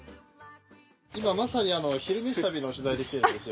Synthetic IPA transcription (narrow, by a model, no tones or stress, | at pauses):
imamasaɲ̟ʲiano̞çiɾɯ̟mʲiɕit̪abʲino̞ɕɨzaid̪e̞kʲit̪eɾɯ̟nd̪esɨjo